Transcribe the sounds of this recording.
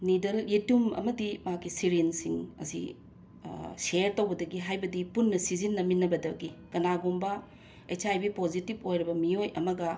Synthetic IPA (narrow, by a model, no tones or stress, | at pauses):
nidɐlitumɐ̰mɐdimakisiɾinsiŋɐ̰sḭ | seɾtowbɐdɐɡiɦajbɐdipunːɐsizinːɐminɐbɐdɐɡikɐnaɡombɐ | et͡ʃajbipozitibojɾɐbɐmiojʔɐmɐɡɐ